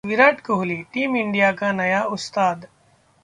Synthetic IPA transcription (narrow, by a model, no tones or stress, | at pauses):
ʋɪɾaːʈkoɦliʈiːmɪɳɖijakanɐjaʔʊst̪aːd̪